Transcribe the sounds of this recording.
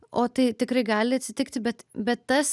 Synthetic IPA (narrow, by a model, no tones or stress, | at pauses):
ʔoːt̪ɐɪt̪ʲɪkɾɐɪɡɑːlʲɪɐt̪ʲsʲɪt̪ʲɪkt̪ʲbʲɛt̪bʲɛt̪t̪ɐs